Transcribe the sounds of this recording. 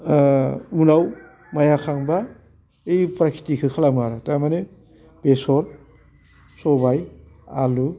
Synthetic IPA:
unaw | majakʰaŋba | ejpɾakʰi̥tikʰɯkʰalamaɾatamane | b̥esɔl | sɔbaj | a̰lu

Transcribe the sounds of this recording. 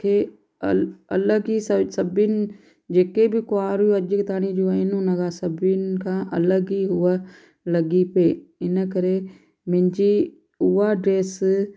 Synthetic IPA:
kʰeː | əələɡiːsəsəbɪn | d͡ʒeːkeːbikʊaːɾuəd͡ʒəkt̪aːñiːd͡ʒuːaːɪnũːnəɡaːsəbɪnkʰãːʔələɡiːɦʊːaː | ləɡiːpeːɪnəkəɾeː | mɪ̃ɲd͡ʒiː | ʊːaːɖɾeːs

